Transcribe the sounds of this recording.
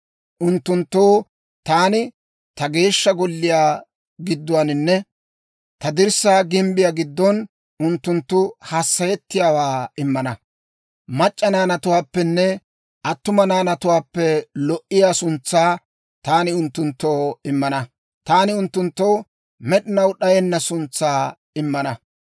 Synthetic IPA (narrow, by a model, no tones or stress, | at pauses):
ʔʊnt̪ːʊnt̪ːoː | t̪aːnɪ | t̪ɐɡe̞ːʃːɐɡɔlːɪjaː | ɡɪd̪ːʊwanɪnːɛ | t̪ɐd̪ɪɾsaːɡɪmbɪjaːɡɪd̪ːɔn | ʊnt̪ːʊnt̪ːʊhasːɐjɛt̪ːɪjaːwaːɪmːɐnɐ | mɐt͡ʃʼːɐnaːnɐt̪ʊwaːpːɛnːɛ | ʔɐt̪ːʊmɐnaːnɐt̪ʊwaːpːɛlɔʔɪjaːsʊnt͡sːaː | t̪aːnɪʊnt̪ːʊnt̪ːoːɪmːɐnɐ | t̪aːnɪʊnt̪ːʊnt̪ːoː | mɛɗɪnɐwɗɐjɛnːɐsʊnt͡sːaː | ɪmːɐnɐ